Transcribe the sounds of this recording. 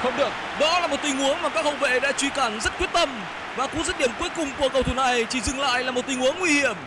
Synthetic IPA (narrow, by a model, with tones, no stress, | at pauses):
xə˧wŋ͡mɗɨ˨˩ək̚ | ɗɔ˨˦laː˨˩mo˨˩t̚t̪i˧ŋ̟ʔu˨˦ənmaː˨˩kaː˦˥k̚hə˧˩ŋ͡mvḛ˧˨ɗa̰ː˧˥t͡ɕwi˧kaː˧˩nzə˦˥t̚kwət̚t̪ə˧m | vaː˨˩kʊ̰˧˥ŋzə˦˥t̚ɗi˧˩əmkwu˨˦əkʊ˨˩ŋ͡mku˧˩əkə˨˩wt̪ʰu˧˩na˨˩jt͡ɕi˧˩zɨ˨˧˩ŋla̰ː˧˨jlaː˨˩mo˨˩t̚t̪ï˧ŋ̟ʔu˨˦ənŋwi˧hi˧˩əm